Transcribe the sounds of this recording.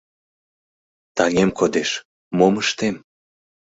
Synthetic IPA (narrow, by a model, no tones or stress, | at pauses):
t̪ɑŋemkod̪eʃ | moməʃt̪em